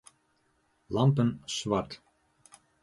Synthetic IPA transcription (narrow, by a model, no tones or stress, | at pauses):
lˠɑmpənsvɑrt̪